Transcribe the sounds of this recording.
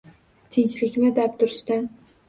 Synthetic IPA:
t̪ʰɪnʲt͡ʃlɪkʲmɪd̪ap̚t̪ʰʊɾst̪ɪ

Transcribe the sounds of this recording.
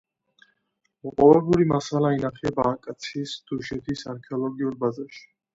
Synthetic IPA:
ɔqʼɔvɛbuɾimasalainaχɛbaːkʼat̪sʰisd̪̥uʃɛt̪ʰisaɾkʰɛɔlˠɔɡiuɾbazaɾʃi̥

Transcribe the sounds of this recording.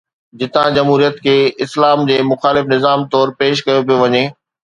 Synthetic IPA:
d͡ʑɪt̪ãd͡ʑɐmɦuːɾijət̪kʰeːɪslaːmd͡ʑeːmʊxaːlɪfnɪzaːmt̪ɔːɾpeːʃkɐjopijoʋɐɲeː

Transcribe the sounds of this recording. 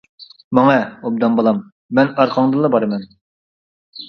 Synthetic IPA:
mɑŋɑob̚d̪ɑmbolˠɑmː | ɛnɑɾqʰɑŋd̪ɨlˠːɑbɑɾɨmɛn

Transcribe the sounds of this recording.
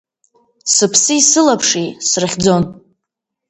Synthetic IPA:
sɨpʰsɨisɨlapʰʂisrɨχʲd͡zo̞n

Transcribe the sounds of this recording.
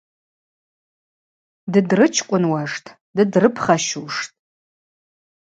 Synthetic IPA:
dɨdrɨt͡ʃʰkʷʼʊnwaʂtʰʼ | dɨdrɨpʰχaʃuʂtʼ

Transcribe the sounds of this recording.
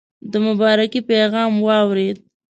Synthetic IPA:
d̪əmʊbɑɾakipeɣɑmwɑwɾed̪̚

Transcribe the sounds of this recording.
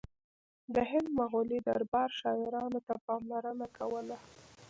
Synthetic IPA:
d̪əɦɪnd̪maɣolid̪a̰ɾbɑɾʃɑɪɾɑnot̪apɑmlaɾənakʰawəla

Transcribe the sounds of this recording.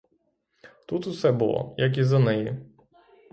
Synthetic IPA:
t̪ut̪ʊsɛbʊlˠɔ̰jɐk̬izɐnɛji

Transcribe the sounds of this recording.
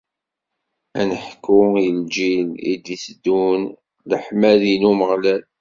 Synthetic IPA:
ænəħkːujəld͡ʒilḭd̪isd̪un | ləħmælinuməʁlæl

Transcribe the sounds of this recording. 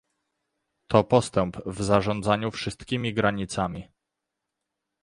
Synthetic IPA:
t̪ʰɔpɔst̪ɛmpvzaʐɔnd̪zaɲufʂɘst̪kʲimʲiɡɾaɲit̪samʲi

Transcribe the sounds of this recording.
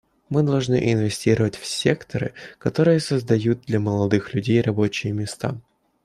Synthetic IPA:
mɨd̪ɐlˠʐnɨ̰ʔɪnvʲɪsʲtʲiɾəvətʲfsʲe̞kt̪əɾɨ̰kɐt̪o̞ɾɨjəsəzd̪ɐjut̪̚d̪lʲɐməlˠɐd̪ɨxlʲʉdʲejrɐbo̞t͡ɕɪjəmʲɪst̪a̰

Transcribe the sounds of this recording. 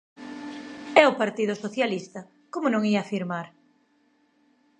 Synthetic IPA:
ɛopaɾt̪ið̞ʊsoθjalist̪ɐ | komʊnõŋiafiɾmaɾ

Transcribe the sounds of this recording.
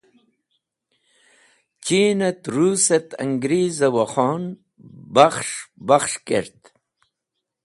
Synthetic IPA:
t͡ɕiːnɐt̪ɾuːset̪ɐ̰ŋɡɾiːzɐwɐχoːn | bɐχʂbɐχʂkḛɾt̪

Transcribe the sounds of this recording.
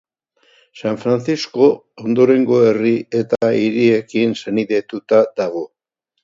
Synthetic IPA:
saɱfɾant͡sisko̞ː | nd̪o̞ɾe̞ŋɡo̞e̞rie̞t̪aiɾie̞kinseniðe̞t̪ut̪ad̪aɣ̞o̞

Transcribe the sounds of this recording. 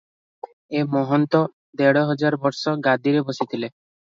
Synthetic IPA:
emɔɦɔnt̪ɔ | d̪ɛɽɔɦɔd͡ʒaɾbɔɾsɔɡad̪iɾebosit̪ʰile

